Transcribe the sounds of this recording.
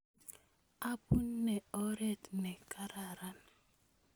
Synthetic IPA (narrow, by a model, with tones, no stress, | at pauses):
a˦pu˦n̩ː˦ɛ˨ɔ˦ɾe˦tnɛ˨kʰa˦ɾa˨ɾa˦n